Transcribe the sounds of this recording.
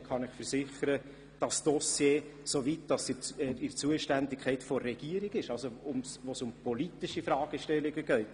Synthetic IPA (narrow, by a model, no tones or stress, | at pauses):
χɑnɪχfəɾsɪχəɾə | d̥ɑsd̥ɔsjeːsovitd̥ɑsɪt͡suəʃtændɪkʰχɛɪtfɔrːɛɡ̥iːəɾɪɡɪʃɑlsoʊmsʋosʊmpɔlitɪʃifɾɑːɡ̥əʃtɛlːɪɡəɡœʏt